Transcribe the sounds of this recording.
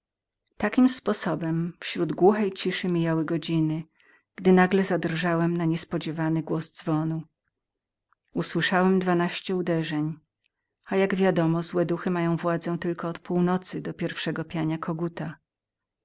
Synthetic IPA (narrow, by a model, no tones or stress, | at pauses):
t̪akʲimspɔsɔbɛmfɕɾud̪ɡwuxɛjt͡ɕiʂɘmʲijawɘɡɔd͡ʑinɘ | ɡ̥d̪ɘnaɡlɛzad̪rʐawɛmnaɲɛspɔd͡ʑɛvanɘɡwɔzd̪zvɔnu | uswɘʂawɛmd̪vanaɕt͡ɕɛud̪ɛʐɛɲ | ajaɡvʲjad̪ɔmɔzwɛd̪uxɘmajɔ̃w̃vwad̪zɛ̃t̪ɘlkɔːt̪puwnɔt̪sɘd̪ɔpʲjɛɾfʂɛɡɔpʲjaɲakʰɔɡut̪a